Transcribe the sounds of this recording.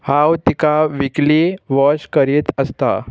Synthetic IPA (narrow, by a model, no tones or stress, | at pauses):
hãwt̪ikaʋikliʋɔɕkəɾit̪əst̪a̰